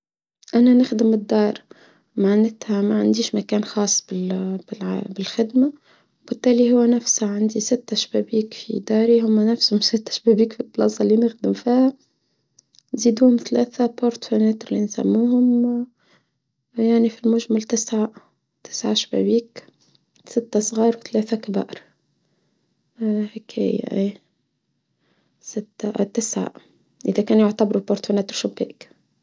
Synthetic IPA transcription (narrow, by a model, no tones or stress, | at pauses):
ʔænænɪxd̪ɪmɪd̪ːɑːɾˤ | maʕnɪt̪hæmaʕand̪iːʃmækæːnxɑːsˤːbɪlbɪlbɪlxɪd̪ma | wb̥ɪt̪ːæːliɦʊwːænæfshaʕand̪isɪt̪ːæʃbæːbiːkfḭd̪ɑːɾiɦʊmːænæfshʊmsɪt̪ːæ̥ʃbæbiːkfit̪ːlɑsˤɑlinɪxd̪ɪmfiːhæ | nziːd̪uːhʊmθælæːθapoɾt̪fonæt̪ɾlinsæ̰mːuːhʊm | jaʕnifilmʊʒmalt̪ɪsʕa | t̪ɪ̥sʕaʃbæ̰biːk | sɪt̪ːasˤɣɑːɾˤwθlæːθækabɑ̰ːʔɾ | hekḭj̰ʔeː | sɪt̪ːat̪ɪsʕa̰ | ʔɪðækæːnjʊʕt̪abɾupoɾt̪fonæːt̪ɾʃʊbḛːʔk